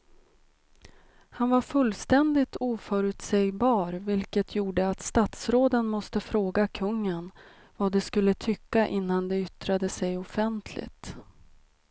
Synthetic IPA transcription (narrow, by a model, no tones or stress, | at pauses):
hanvaɾfɵlːst̪ɛnd̪ɪt̪uːfœɾʉ̟ːt̪sɛjbɑːɾvɪlkət̪ʰjuːɖəat̪st̪at̪sɾoːd̪ənmɔst̪əfɾoːɡakʰɵŋːən | vad̪ɛskɵlːət̪ʰʏkːaʔɪnːand̪ɛʏt̪ɾad̪əsɛjɔfɛnt̪ʰlɪ̰t̪